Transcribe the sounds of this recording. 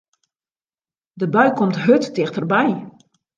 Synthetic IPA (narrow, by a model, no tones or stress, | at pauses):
dəbœɥkʰɔmtɦøttɪxtərbɛj